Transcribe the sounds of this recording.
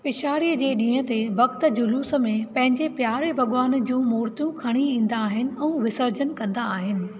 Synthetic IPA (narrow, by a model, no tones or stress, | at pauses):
pɪʃaːɾijəd͡ʑeːɗĩːɦə̆t̪eʋɐk̚t̪ə̆d͡ʑʊluːsə̆mẽpɐ̃ɦɪ̃ɲd͡ʑepjaːɾebʱɐɠʋaːnd͡ʑũːmuːɾt̪jũkʰɐɽ̃iĩːn̆d̪aːɦɪnɪ̆ɛ̃ũːʋɪsəɾd͡ʑənkɐ̃nd̪aːɦɪnɪ̆